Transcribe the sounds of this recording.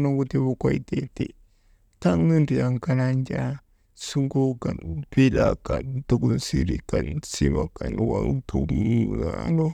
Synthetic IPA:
noɡut̪iβukwait̪eti | taŋnɨnɾiaŋkanand͡ʒa | suŋɡukanpilakant̪ukunsiɾikansiβakanwat̪ʰumunano

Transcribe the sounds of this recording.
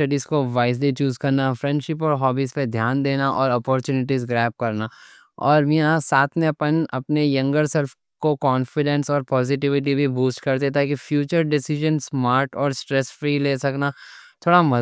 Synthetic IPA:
ɐɖizkoʋaːɪzlit͡ʃuːzkɐɾnafɾɛ̃ɳɖʃɪpɔːɾɦɔːbiːsped̪ʱjaːnd̪eːnaʔɔːɾɔːpɔːɾt͡ʃuːnɪʈ̬izɡɾɛːp̚kɐɾna | ɔːɾmiãsaːt̪ʰmẽɐpənɐpnejɐ̃ŋɡəɾsɛlf | kokɔːnfɪɖɛ̃nsɔːɾpɔːzɪʈɪʋɪʈ̬ibʱibuːsʈkɐɾt̪̬et̪aːkifjuːt͡ʃəɾɖɪsɪʒə̃nsmaːɾʈɔːɾsʈɾɛsfɾiːleːsɐknat̪ʰoːɽamɐ

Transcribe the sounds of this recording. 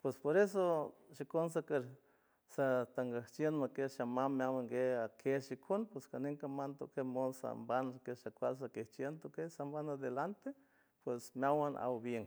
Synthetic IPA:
pwespoɾes̬oʃikons̬akeɾ | sat̪aŋɡaht͡ʃjenmakeʃamammːjawaŋɡeakʰeʃikʰonpweskaniŋkamant̪okemonsa̰mbankeʃakʷals̬akeht͡ʃjent̪okesambanad̪elant̪e | pwesmjawanʔa̰wbjeŋ

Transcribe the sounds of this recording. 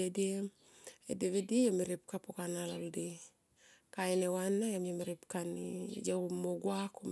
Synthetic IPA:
edie | edeβedijomeɾip̚kapokanalaldi | kaenewanajamomeɾipkanḭd͡ʒamoɡwakum

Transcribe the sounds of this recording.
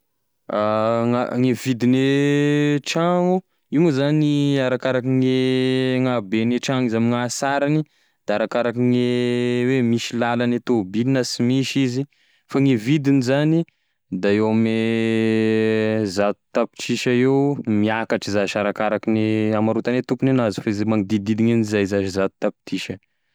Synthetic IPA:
aŋaŋevid̪ine | ʈ͡ʂaŋu | iumuzaniaɾakaɾakiŋeŋabeneʈ͡ʂaŋizamiŋasaɾani | d̪̥aaɾakaɾakiŋewemiʃilalanet̪obilinəsimiʃizi | faŋivid̪inizani | d̪aewame | zat̪u̥t̪api̥ʈ͡ʂt͡ʃiʃaewmiakaʈ͡ʂizaʃaɾakaɾakineamaɾut̪anet̪ukunenazufaizemaŋid̪id̪id̪iŋenizajzaʃizat̪u̥t̪api̥t̪ʰiʃə

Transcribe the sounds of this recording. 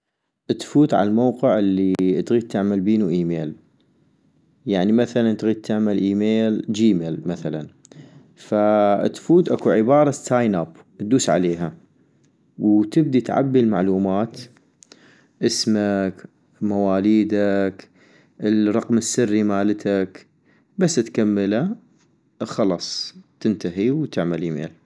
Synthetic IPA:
ʔət̪fuːt̪ʕa̰lmowqɪʕʔəlːiit̪ɣiːd̪̚t̪ːɪʕmalbiːnuʔiːmeːl | jaʕnimaθalant̪ɣiːd̪̚t̪ʰːɪʕmalʔiːmeːld͡ʒiːmeːlmaθala̰n | fa̰t̪fuːt̪ʔakuʕɪbɑːɾˤɑst̪ːaːjnab | ʔt̪̚d̪uːsʕa̰leːɦa | wt̪ɪb̚d̪it̪ʕa̰bːilma̰ʕluːmaːt̪ | ʔɪsmak | mawaːliːd̪ak | ɪlɾˤɑqmɪsːɪrːimaːlt̪ʰak | basːɪt̪kamːɪla | xɑlɑːsˤt̪ɪnt̪aɦiwt̪ɪʕmalʔiːmḛːl

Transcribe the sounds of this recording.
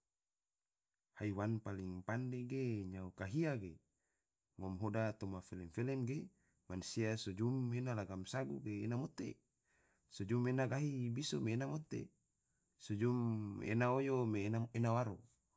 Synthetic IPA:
haiwanpaliŋpandeɡeɲaukaɦiaɡe | ŋɔmɦodat̪omafelɛmfelemɡe | mansiasod͡ʒumenalaɡamsaɡṵɡeːnamot̪ḛ | sod͡ʒumenaɡaɦibisomeːnamot̪ḛ | sod͡ʒumḛnaojomenaenawaɾo

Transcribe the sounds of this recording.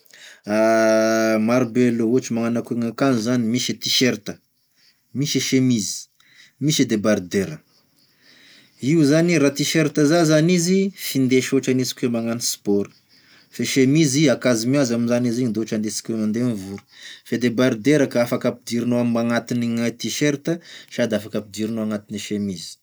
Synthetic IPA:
a | maɾbeloot͡ʃimaŋanakeŋakanizanimiʃet̪iʃeɾt̪ə | miʃeʃemizi̥ | miʃed̪ebaɾd̪eɾə | iuzaniɾat̪iʃeɾt̪əzazanizifind̪eʃoʈ͡ʂanizi̥kʲemaŋanispɔɾə̥ | feʃemiziakazimuazaminzaniziɲind̪eoʈ͡ʂand̪esi̥kʲenand̪enivuɾə̥fed̪ebaɾd̪eɾakaafakapid̪iɾinoamaŋat̪iniŋat̪iʃeɾt̪əʃad̪afakapid̪iɾinoaŋat̪iniʃemizi̥

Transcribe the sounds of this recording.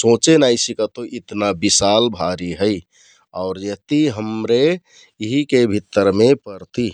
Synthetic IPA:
sõːt͡ʃenajsikat̪oʔɪt̪nabisalbʱaɾiɦəi | ɔːɾjət̪iɦəmɾe | ɦikebʱit̪ːəɾmẽpəɾt̪i

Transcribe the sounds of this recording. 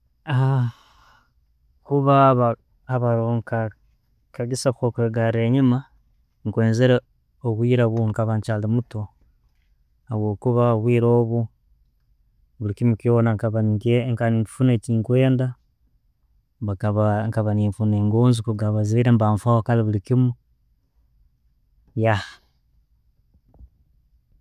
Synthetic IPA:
a | kuβaβa | aβaɾoŋka | kaɡisakokweɡaɾeːɲima | ŋkweːnzeɾa | oβwiːɾaβuŋkaβaɲt͡ʃalimuto | haβwo̞ːkuβaβwiːɾoːβu | βulikimukjoːnaŋkaβanikeŋkanifuneciːŋkwe̞ːnda | βakaβaŋkaβaniːɱfuneːŋɡoːnzikuɡaβazeɾembaːɱfawokaliβulikimu | jaha

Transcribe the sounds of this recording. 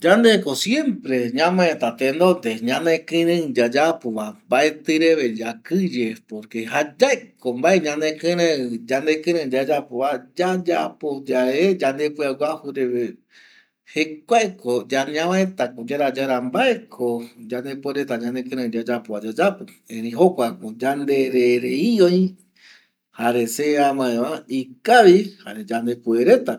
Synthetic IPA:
d͡ʒand̪ekosjẽmpɾe̞ɲãmãẽt̪at̪end̪od̪eɲãnd̪ẽkɨ̃ɾɨ̃d͡ʒad͡ʒapoβambaet̪ɨɾeβe̞d͡ʒakɨd͡ʒepoɾkehad͡ʒaekombaeɲãnd̪ekɨ̃ɾɨ̃d͡ʒand̪ekɨ̃ɾɨ̃d͡ʒad͡ʒapoβad͡ʒad͡ʒapod͡ʒaed͡ʒand̪epwawʷahuɾeβe | hekʷaekod͡ʒaniãβãẽt̪akod͡ʒaɾad͡ʒaɾambaekʰod͡ʒand̪epueɾet̪aɲãnd̪ekɨ̃ɾɨ̃d͡ʒad͡ʒapoβad͡ʒad͡ʒapo | ẽɾiɦokʷakod͡ʒand̪eɾeɾeioj | haɾeseãmãẽʋãikaβiha̰ɾed͡ʒand̪epueɾe̞t̪a

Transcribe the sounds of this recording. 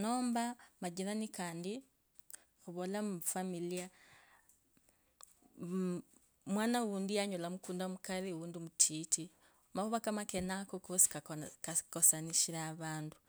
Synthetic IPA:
noːmbamaɟiɾanikaːndi | xuβolafamilia | mwaːnawuːndijaɲolamukuːndamukaɾiwuːndimutʰiːtʰi | maβuβakamakenakokosi̥kakkosaniʃiɾaːβaːndu

